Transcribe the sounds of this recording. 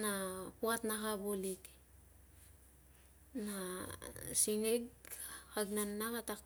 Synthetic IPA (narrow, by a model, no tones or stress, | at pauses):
nakuatnakabolik | na | siŋeɡhaɡnanːakatak